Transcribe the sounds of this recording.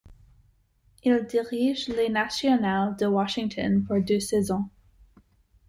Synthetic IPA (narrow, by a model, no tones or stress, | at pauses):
ild̪iʁiʒlenasjɔnald̪əwɑʃĩŋt̪ʰɔ̰npuɹd̪øsɛzɔ̃